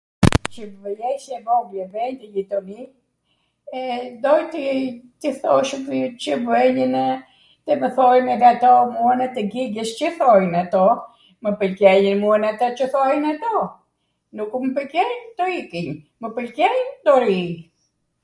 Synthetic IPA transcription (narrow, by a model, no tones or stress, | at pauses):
t͡ʃəvəjɛʃɛvɔɡlɛvɛnt̪əjit̪ɔni | ɛd̪ɔjt̪it̪iθɔʃpt͡ʃəvɛɲən | t̪ɛməθɔjmɛɡat̪ɔmuənat̪ɛɡiɡəst͡ʃəθɔjnat̪ɔ | məpəlkɛjənmuənat̪at͡ʃəθɔjnat̪ɔ | nukuməpəkɛjnt̪ɔikiɲ | məpəlkɛjnd̪ɔɾi